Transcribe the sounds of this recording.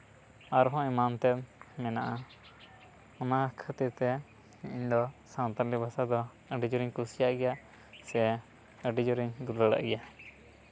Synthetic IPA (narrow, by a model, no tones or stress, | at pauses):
aɾɦɔ̃ɛmant̪ɛmɛnaʔa | ɔnakʰət̪iɾt̪ɛ | iɲd̪ɔsãnt̪alibasad̪ɔ | əɖid͡ʒɔɾiɲkusijaʔɡɛja | sɛ | əɖid͡ʒɔɾiɲd̪uɾlaɽa̰ʔɡɛja